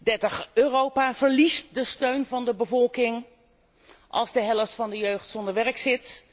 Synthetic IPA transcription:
dɛɹtəχøːrowpaːvəɹlist̚dəstøɥnvɑndəbəvɔlˠkɪŋ | ʔɑ̰lˠzdəɦɛləftfɑndəjøɥχtsɔndəɹʋɛɹksɪt

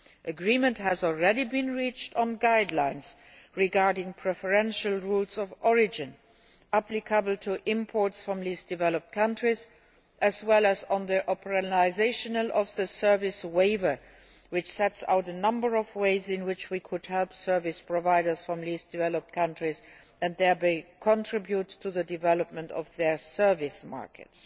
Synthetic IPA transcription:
ʔəɡɹĩːmə̃nthæzɔlˠɹɛɾibĩnɹit͡ʃtnɡaɪdlãɪ̃ns | ɹiɡaɹdɪ̃ŋpʰɹɛfəɹɛ̃nʃəlˠɹulzɔvʔɔɹɪd͡ʒɪ̃n | æplɪkʰəbəl̩ˠtʰuʔɪ̃mpʰɔɹtsfɹɔ̃mlisd̥ɪvɛləp̚t̚kʰʌ̃ntɹiz | ʔəzwɛlæz̃n̩ðiʔɔpʰəɹənaɪzeɪʃənəlɔfðəsɜ˞vɪsweɪvə˞ | wɪt͡ʃsɛtsa̰ʊtənʌ̃mbə˞ɔvweɪzɪ̃nwɪt͡ʃwikʰʊdhɛlpsɜ˞vɪspʰɹ̥ɔvaɪɾə˞sfɹɔ̃mlisd̥ɪvɛləp̚t̚kʰʌ̃ntʰɹiz | æ̃nd̪ðɛ˞beɪkʰɔ̃ntʰɹ̥ɪbjutʰːuðədɪvɛləp̚mə̃ntɔ̰fðɛ˞sɜ˞vɪsma̰ɹkɨ̰ts

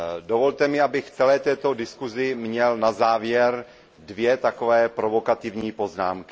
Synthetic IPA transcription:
do̞vo̞lt̪ɛmɪabɪxt͡sɛlɛːt̪ɛːt̪odɪskuzɪmɲɛlnazaːvjɛɾ | dvjɛt̪akovɛːpɾovo̞kat̪ɪvɲiːpo̞znaːmkɪ̥

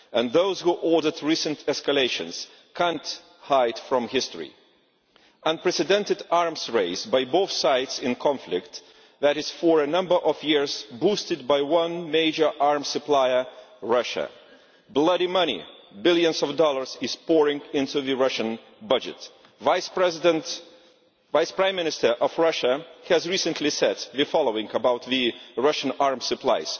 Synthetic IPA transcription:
ɨ̃nðoʊz̥huʔɔɹdə˞dɹisɨ̃ntʰɛskəleɪʃɨ̰̃nz̥ | kʰæ̃nt | haɪd̥fɹʌ̃mhɪstɹḭ | ʔə̃npɹ̥ɛsɨdɛ̃ntɨdɑɹmzɹeɪzbaɪboʊθsaɪdsɪ̃nkʰɑ̃ɱflɪk̚t̪ | ðæɾɨz̥fəɹɨnʌ̃mbə˞ʔʌvjɪɹzbustɨd̚baɪwʌ̃nmeɪd͡ʒə˞ʔɑɹmsɨplaɪə˞ɹʌʃɨ̰ | blʌɾimʌñḭbɪlˠjɨ̃nzʌvdɔlˠə˞zɨz̥pɔɹɪ̃ŋɪ̃ntuðɨɹʌʃɨ̃n | bʌd͡ʒɨ̰t | vaɪspɛzdə̃nt | vaɪspɹ̥ãɪ̃mːɪ̃nɨstə˞ʔʌvɹʌʃəhɨzɹisɨ̃nʰlisɛd̪̚ðɨfɑlˠoʊɪ̃ŋəbaʊt̪̚ðɨɹʌʃɨ̃n̩ɑɹmsɨpʰlaɪz̥

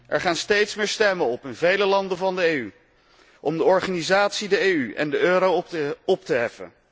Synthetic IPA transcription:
ʔɛɹχaːnstejtsmɪːɹstɛmənɔpɪnvejləlɑndənvɑndəejy | ʔɔmdəɔɹχaːnizaːtsidəejyʔɛ̰ndəʔøːɾowɔp̚təɦɛfə̰n

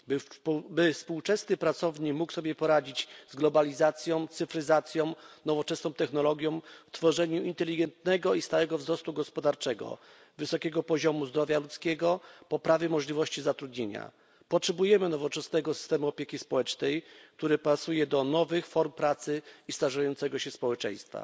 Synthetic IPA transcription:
bbɘfspuwt͡ʂɛsnɘpɾat̪sɔvɲikmuksɔbʲjɛpɔɾad͡ʑid͡ʑzɡlɔbalʲizat̪sʲjɔ̃w̃t̪sɘfɾɘzat̪sʲjɔ̃w̃nɔvɔt͡ʂɛsnɔ̃w̃t̪ɛxnɔlɔɡʲjɔ̃w̃ft̪fɔʐɛɲuint̪ɛlʲiɡɛnt̪nɛɡɔist̪awɛɡɔvzɾɔst̪uɡɔspɔd̪aɾt͡ʂɛɡɔ̰ | vɘsɔkʲɛɡɔpɔʑɔmuzd̪ɾɔvʲjalut̪skʲɛɡɔpɔpɾavʲjɛmɔʐlʲivɔɕt͡ɕizat̪ɾud̪ɲeɲa̰ | pɔtʂɛbujɛmɘnɔvɔt͡ʂɛsnɛɡɔsɨ̥st̪ɛmuɔpʲjekʲispɔwɛt͡ʂnɛjk̚t̪uɾɘpasujɛd̪ɔnɔvɘxfɔɾmpɾat̪sɘist̪aʐajɔnt̪sɛɡɔɕɛspɔwɛt͡ʂɛ̰̃j̃st̪fa̰

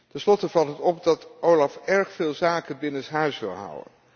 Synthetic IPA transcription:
tɛnslɔtəvɑlˠtɦətɔp̚dɑtʔowlɑfɛɹχfɪːlˠzaːkənbɪnənsɦœɥsʋɪ̰lˠɦʌ̰wə̰n

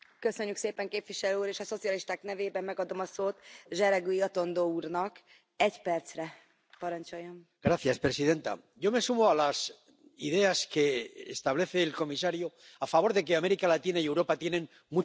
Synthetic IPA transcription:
kø̞sø̞ɲːykseːpɛŋkeːpviʃɛløːuːɾeːʃɒso̞t̪sijɒliʃt̪aːknɛveːbɛmːɛɡɒd̪o̞mɒsoːt̪ʒɛɾɛɡyiɒt̪o̞nd̪oːuːrnɒk | ɛɟpɛrt̪srɛ | pɒɾɒnt͡ʃo̞jːom | ɡ̥ɾaθjaspɾesiðe̞nt̪a̰ | jo̞mesumoalas | iðe̞aske̞ːst̪aβle̞θeːlko̞misaɾjo | afaβo̞ɾðekeameɾikalat̪inaiewɾo̞pat̪je̞nẽ̞m | mu

